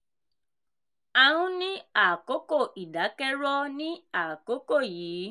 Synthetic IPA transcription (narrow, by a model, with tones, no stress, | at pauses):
a˧ɾũ˦nĩ˦a˦˨ko˨˦ko˦˨ʔi˨da˨˦kɛ˦ɾɔ˦nĩ˦a˦˨ko˨˦ko˦˨jiː˨˦